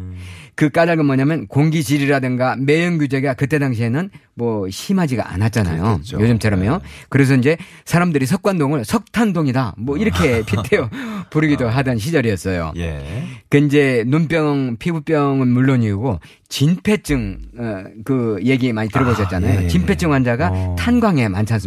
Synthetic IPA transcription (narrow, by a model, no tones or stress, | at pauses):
kɯk͈adaɭɡamwʌɲamjʌnkoŋɡid͡ʑiɾiɾadɯŋɡame̞jʌŋɡud͡ʑe̞ɡakɯt͈e̞daŋɕ̬ʰienɯnmwʌɕʰimɦad͡ʑiɡa̰ʔa̰nat̚t͡ɕ͈ana̰jojod͡ʑɯmt͡ɕʰʌɾomokɯɾe̞s̬ʰʌind͡ʑe̞sʰaɾamdɯɾisʰʌk̚k͈wandoŋɯɭsʰʌk̚tʰandoŋidamwʌiɾʌkʰe̞pʰitʰeopuɾɯɡidoɦadʌnɕ̬ʰid͡ʑʌɾiʌs͈ʌjo̰jkɯind͡ʑe̞nunp͈jʌŋpʰibup͈jʌŋɯnmuɭːoɲiuɡo | t͡ɕinpʰe̞t͡ɕ͈ɯŋ | kɯje̞ɡimaɲitɯɾʌboɕʰʌt̚t͡ɕ͈anajot͡ɕinpʰe̞t͡ɕ͈ʰɯŋwand͡ʑaɡatʰanɡwaŋe̞mant͡ɕʰas͈ɯ